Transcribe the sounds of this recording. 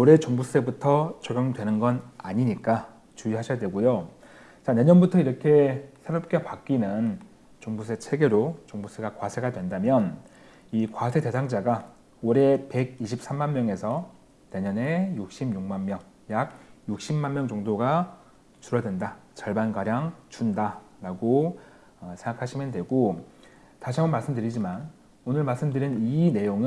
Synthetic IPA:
oɾe̞t͡ɕoŋbus͈ebutʰʌt͡ɕoɡjʌŋdwe̞nɯnɡʌnaɲiɲik͈a | t͡ɕuiɦaɕʰʌjadwe̞ɡojo | t͡ɕane̞ɲʌnbutʰʌiɾʌkʰe̞sʰeɾʌp̚k͈epak͈inɯn | t͡ɕoŋbus̬͈et͡ɕʰe̞ɡe̞ɾot͡ɕoŋbus͈eɡakwasʰeɡadwe̞ndamjʌn | ikwasʰe̞te̞sʰaŋd͡ʑaɡa | oɾe̞pe̞ɡiɕʰip̚s͈ʰamːanmjʌŋe̞sʰʌ | ne̞ɲʌne̞juk̚ɕ͈imjuŋmanmjʌŋ | jaɡ̚juk̚ɕ͈imːanmjʌŋd͡ʑʌŋdoɡa | t͡ɕuɾʌdwendat͡ɕʌɭbanɡaɾjaŋt͡ɕundaɾaɡo | sʰe̞ŋɡakʰaɕʰimjʌndwe̞ɡo | taɕʰiaonmaɭs͈ɯmdɯɾid͡ʑiman | onɯɭmaɭs͈ɯmdɯɾinine̞joŋɯ

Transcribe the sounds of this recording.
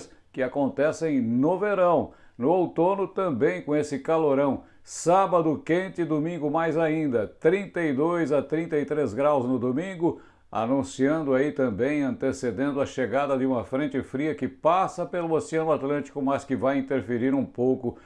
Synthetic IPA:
skɪakõnt̪ɛsẽj̃nʊveɾɐ̃w̃ | nʊowt̪onʊt̪ɐ̃mbẽj̃kõesɪkaloɾɐ̃w̃ | sabɐd̪ʊkẽnt̪ɪd̪omĩŋɡʊmajzaĩnd̪ɐt̪ɾĩnt̪ɐid̪ojzat̪ɾĩnt̪ɐit̪ɾezɡɾawznʊd̪omĩŋɡʊ | a̰nũsiɐ̃nd̪ʊait̪ɐ̃mbẽj̃ɐ̃nt̪esed̪ẽnd̪ʊɐʃeɡad̪ɐd̪ɪũmɐfɾẽnt͡ʃ̪ɪfɾiɐkɪpasɐpelʊosiɐ̃nʊat̪lɐ̃t͡ʃi̥kʊmɐskɪvajĩnt̪eɾfeɾiɾũpowkʊ

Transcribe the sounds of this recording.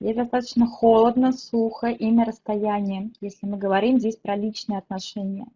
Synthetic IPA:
jʲezʲd̪ɐst̪at̪ə̥t͡ɕnəxolˠəd̪nəsuxəʔinʲəɾəst̪ɐjænʲɪjəjesʲlʲɪmɨɡəvɐɾʲimzʲdʲesʲpɾɐlʲit͡ɕnɨjəɐt̪nɐʂɛnʲɪjə̰

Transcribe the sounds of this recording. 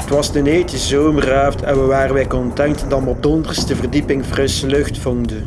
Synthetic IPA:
ətʋɑzdəneːjtəzoːməraːftʰɛnʋəʋaːrənʋɛjkɔntɛŋtədɑnɔb̚dəɔndərstdəvərdipɪŋvrɪsəlɵxtfɔŋdən

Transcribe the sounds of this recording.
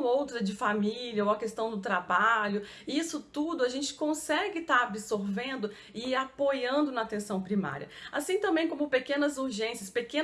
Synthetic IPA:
owt̪ɾɐd͡ʒɪfamilɐowɐkest̪ɐ̃w̃d̪ʊt̪ɾabaʎʊ | ɪisʊt̪ud̪ʊaʒẽnt͡ʃɪ̥kõsɛɡɪt̪aɾabɪsoɾvẽnd̪ʊ | ɪapojɐ̃nd̪ʊnɐat̪ẽsɐ̃w̃pɾima̰ɾiɐ̰asĩt̪ɐ̃mbẽj̃kõmʊpekẽnɐzuɾʒẽsjɐspekẽ

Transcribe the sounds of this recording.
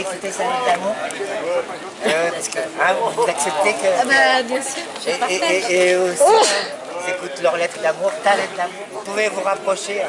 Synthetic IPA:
ekut̪esalɔ̃t̪amũ | øpaskəãvuzaksɛp̚t̪ekəbabjɛ̃syːʁʒpː | osi | ilzekut̪lœʁlɛt̪χəd̪amuʁt̪alɛt̪d̪amuʁvupuvevuʁapχɔʃe

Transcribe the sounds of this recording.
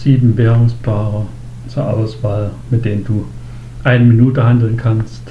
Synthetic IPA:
siːb̥n̩ʋeɐʁoŋspʰɑːʁɐ | t͡sɒʔɑ̈ʊb̥aɪsʋɑːlmed̥end̥u | ʔaɪnəminudəɦandl̩n̩kʰanst

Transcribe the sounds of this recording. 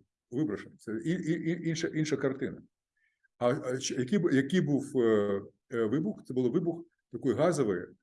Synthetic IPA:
ʋɪbɾɐʂenɐt̪sɛiiiinʃɐʔinʃɐkɐrt̪ɪnɐ | ɐt͡ʃjɐkʲijbjɐkijbuw | ʋɪbʊxt̪sɛbʊlˠɔʋɪbʊx | t̪ɐkɔjɣɑzɔʋɐjɛ

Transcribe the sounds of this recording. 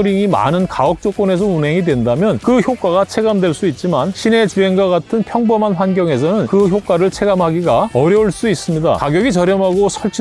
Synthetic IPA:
ɾiŋima̰nɯnkaʌk̚t͡ɕ͈ok͈̚one̞s̬ʰʌunɦe̞ŋidwe̞ndamjʌnkɯçjok͈aɡat͡ɕʰe̞ɡamdwe̞ɭs͈uit̚t͡ɕ͈imanɕʰine̞t͡ɕie̞ŋɡwaɡatʰɯnpʰjʌŋbʌmanɸwanɡjʌŋe̞sʰʌnɯnkɯçjok͈aɾɯɭt͡ɕʰe̞ɡamɦaɡiɡaʌɾjʌuɭs͈uis͈ɯmɲida̰kaɡjʌɡit͡ɕʌɾjʌmɦaɡosʰʌɭt͡ɕʰi

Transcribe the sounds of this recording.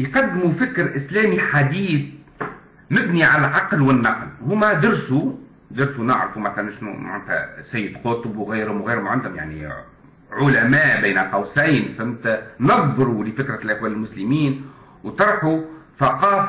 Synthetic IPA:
jqɑd̪ːɪmufɪkɾʔɪslæːmiħad̪iːd̪ | mɪbniʕalælʕɑqlwɪnːɑqlhʊmːæd̪ɪɾsu | d̪ɪɾsunɪʕɾɑfumæθalænʃnṵʕa̰nt̪hæ̰sæjːɪd̪qʊːt̪ʊbwɣajɾhʊmɣaːɾmʕand̪hʊmja̰ʕnḭ | ʕʊlæmæːʔbiːnaqɑwsajnfamt̪nɑðˤðˤɾulɪfɪkɾalʔæxwæːlɪlmʊslɪmiːn | wt̪ɑɾˤħuθaqɑːf

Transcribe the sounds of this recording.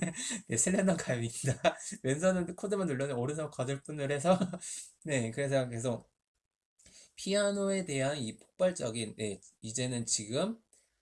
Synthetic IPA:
ne̞sʰɯɭːendʌkʰamidamens̬ʰʌnɯnkʰodɯmanːɯɭːʌnɯnoɾɯs̬ʰʌkadɯɭp͈unːɯɾɦe̞sʰʌ | ne̞kɯɾe̞s̬ʰʌk̬e̞sʰok̚ | pʰianoe̞de̞ɦanipʰok̚p͈aɭt͡ɕ͈ʌɡinːe̞id͡ʑe̞nɯnt͡ɕiɡɯm

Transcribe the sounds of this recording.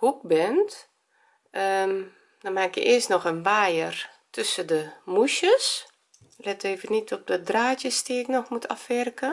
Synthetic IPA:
kuk̚bɪnt | ə | dɔnmakjə̰ʔɪəstnɔxənʋaːjərtʰøsədəmuʃəs | lɛteːvənitʰɔp̚dədraːtjəstiɪknɔxmutʰa̰fʋɛrkə

